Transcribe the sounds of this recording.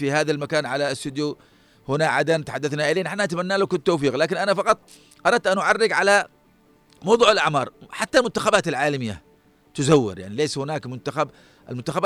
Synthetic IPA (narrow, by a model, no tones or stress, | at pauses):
fihaːðalmakaːnʕalast̪ʊd̪ju | hʊnaʕa̰d̪ant̪ħad̪ːaθnaʔɪleːnaħnaʔat̪amanːaːlukʊt̪ːoːfiːɣlaːkɪnʔanafɑqɑt̪ˤ | ʔɑɾˤɑd̪̚t̪ʔanʔʊʕarːɪɡʕala | mɑwd̪ˤuːʕalʔaʕmɑːɾˤħat̪ːalmʊnt̪ḁxabaːt̪alʕaːlamɪjːa̰ | t̪ʊzawːɪ̰ɾja̰ʕnileːshʊnaːkmʊnt̪axab | ʔa̰lmʊnt̪axab